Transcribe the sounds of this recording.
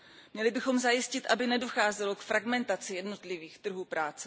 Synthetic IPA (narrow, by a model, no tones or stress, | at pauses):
mɲɛlɪbɪxo̞mzajɪscɪt̪ʔabɪnɛdo̞xaːzɛlo̞kfɾaɡmɛnt̪at͡sɪjɛdno̞t̪lɪviːxt̪r̩ɦuːpɾaːt͡sɛ